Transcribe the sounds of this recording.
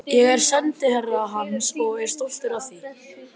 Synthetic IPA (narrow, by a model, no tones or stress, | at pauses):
jɛɣɛɾ̥sɛnt̪ɪhɛrːaːɦansɔɣɛɾ̥st̪owl̥t̪ɪɾaðθi